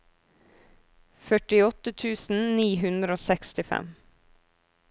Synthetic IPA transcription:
fœʈɪɔt̪ət̪ʰʉːsn̩niːɦʉnd̪ɾəoːsɛkst̪ɪfɛ̰m

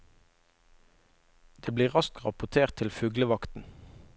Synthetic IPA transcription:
d̪̥eːbliːʁʁɑskkʁɑpʊt̪ʰeːʁt̪ʰɪlfʉːɡləʋɑkt̪n̩

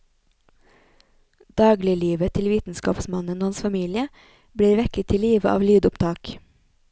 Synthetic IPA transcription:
d̪̥ɑːɡlɪəliːʋət̪ʰɪlʋiːt̪n̩skɑ̰ːpsmɑnənoːhɑnsfɑmiːlɪə | bɽiːɾʋɛkət̪ʰɪliːʋəʔɑ̰ːʋlyːd̪ʊpt̪ʰɑːk

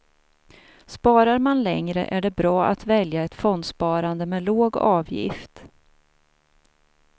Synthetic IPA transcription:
spɑːɾaɾmanlɛŋɾə̰ʔæɖɛbɾɑːʔat̪vɛljaɛt̪fɔnd̪spɑːɾand̪əmɛːloːɡɑ̰ːvjɪ̰ft̪

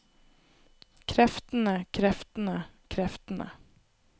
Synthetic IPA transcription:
kʰɾɛft̪ənəkʰɾɛft̪ənəkʰɾɛft̪nə̰

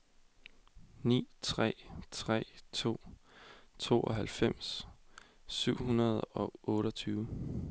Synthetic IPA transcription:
nḭːt͡sʰʁɛ̰t͡sʰʁɛ̰t͡sʰo̝̰ː | t͡sʰo̝̰ːʔɒɦælfem̰s | syʊ̰hunɐð̞̩ˠɒ̽ɔ̽ːɾɒt͡sʰyːʊə

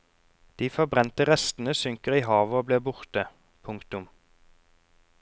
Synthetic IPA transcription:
d̪̥iːfɔʁbʁɛnt̪əʁɛst̪n̩əsʏŋkəʁiːhɑːʋəoːbleːbʊʁt̪ə | pʰʊŋkt̪ʊm

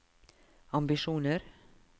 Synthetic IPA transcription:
ɑmbɪʃuːnəɾ

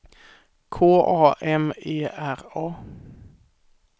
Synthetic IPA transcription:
kʰoːʔɑːʔɛmeːʔæʁɑː

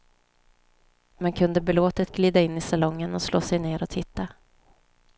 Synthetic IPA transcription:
mɛnkʰɵnd̪əbɪloːt̪ət̪ɡliːd̪aɪnːɪsalɔŋːənɔslo̰ːsɛjneːɾɔt̪ʰɪt̪ːa

